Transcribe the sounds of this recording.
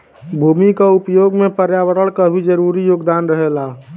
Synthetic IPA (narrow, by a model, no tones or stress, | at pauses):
bʱuːmikaʊpjoːɡmẽpəɾjaʋəɾəɭkabʱid͡ʒəɾuɾijoːɡd̪aːnɾəɦela